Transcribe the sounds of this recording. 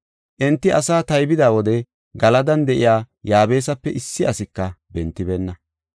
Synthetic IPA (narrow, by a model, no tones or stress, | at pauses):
ʔɛnt̪ːɪʔɐsaːt̪ɐjbɪd̪aːwɔd̪ɛ | ɡɐlɐd̪ɐnd̪ɛʔɪ̰jaː | jaːbe̞ːs̬ɐpːɛʔɪsːɪɐsɪkːɐbɛnt̪ːɪbɛnːɐ